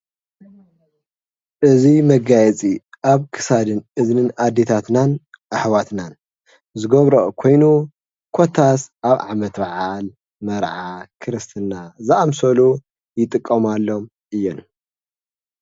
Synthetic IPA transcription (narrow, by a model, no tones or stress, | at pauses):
ʔɨzimɐɡajɛt͡sʼiʔaβkʰɨ̥sad̪ɨnʔɨznɨnad̪ːe̞t̪ʰat̪nanʔaħwat̪nan | zɨɡoβɾokʰo̞jnu | kʰo̞t̪ʰasʔaβʕa̰mɐt̪baʕal | mɐɾʕakʰɨɾɨst̪ʰɨnːazɨʔamsɐlu | jɪt̪ʼɨkʼːɐmalːo̞m | ʔɨjːon